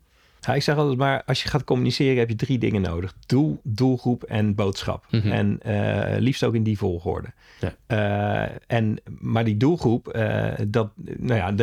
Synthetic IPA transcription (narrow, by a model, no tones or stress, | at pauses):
jaɪksɛχɑlˠtɛtmaːɹɑlˠsjəχaːt̚kɔmynisɪːrəɦɛpjədridɪ̰ŋəno̰wdəχd̥ulˠdulˠχrupɛnbowtsχɑ̰pɛ̰nlifstowkɪndivɔlˠχʋʊ̰ːɹdə | ʔɛnmaːɹdidulˠχrupə̰dɑtnoja̰